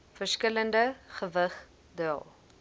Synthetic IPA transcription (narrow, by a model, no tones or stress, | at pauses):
fərskələndəχəvəχ | dyə̰lˠ